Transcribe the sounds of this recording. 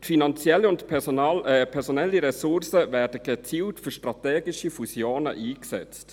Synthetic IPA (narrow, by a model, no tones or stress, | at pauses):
tfinɑnt͡sjɛləʊnt | pʰɛɾsonɛlːiɾɛsʊɾsəvɛːɾdəɡət͡siːltfyɾʃtɾɑteːɡɪʃifusjoːnə̰ʔiːksɛ̰t͡st